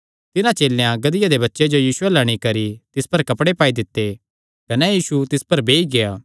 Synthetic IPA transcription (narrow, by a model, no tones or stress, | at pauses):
t̪ɪnãt͡ʃeːlːejãɡɐd̪ɪjad̪ebɐtːʃed͡ʒojiːsʊɛlɐɽ̃ikɐɾit̪ɪspɐɾkɐpɽepaːid̪ɪt̪ːe | kɐnɛjiːsut̪ɪspɐɾbeːiɡejaː